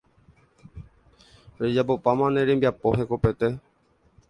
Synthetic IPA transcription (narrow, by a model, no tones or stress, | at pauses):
ɾed͡ʒapopamãneɾembiapoɦekopet̪e